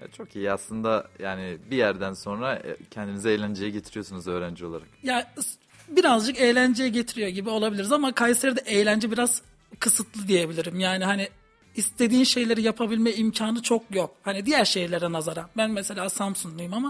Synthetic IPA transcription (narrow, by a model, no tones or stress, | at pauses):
ɛ̰t͡ʃʰo̞kijiaslˠɯnd̪ajaːnibijæɾd̪ænso̞nɾacʰɛnd̪imizɛejlʲænd͡ʒejɛɟe̞t̪ʰiɾijo̞sunuzø̞ːɾænd͡ʒio̞lˠaɾakja | biɾazd͡ʒɯkejlʲænd͡ʒejɛɟe̞t̪ʰiɾijo̞ɟibio̞lˠabilʲiɾizamakʰajseɾd̪ɛʔejlʲænd͡ʒɛbiɾaz̥ | kʰɯsɯt̪ʰlˠɯd̪ije̞bilʲiɾimjaːnihaniː | st̪ʰe̞d̪iːnʃe̞jlʲe̞ɾijapʰabilʲmɛimcʰaːnɯt͡ʃʰo̞kjok̚hanid̪ijæɾʃe̞jlʲeɾd̪ɛnazaɾambænmese̞lʲaːsampsuŋlˠujumama